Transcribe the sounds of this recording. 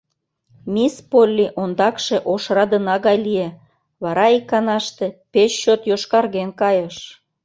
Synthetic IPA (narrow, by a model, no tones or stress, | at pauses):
mispolʲːiʔond̪ɑkʃeʔoʃrɑd̪ənɑɣɑjlie | βɑɾɑikːɑnɑʃt̪epeɕːot̪joʃkɑrɣenkɑjəʃ